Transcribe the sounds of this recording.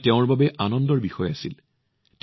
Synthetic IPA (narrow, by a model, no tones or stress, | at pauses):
teʊ̃ɹbabɛʔanɔndɔɹbixɔjɔasil | t